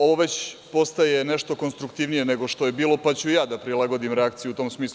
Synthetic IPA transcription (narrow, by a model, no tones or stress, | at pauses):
o̞ʋoʋet͡ɕpo̞st̪aje̞neʃt̪o̞ko̞nst̪ɾukt̪iːʋnije̞ne̞ɡo̞ʃt̪o̞je̞biːlˠo̞pat͡ɕujaːd̪apɾilˠaɡo̞d̪imɾeakt̪sijut̪o̞ːmsmiːslu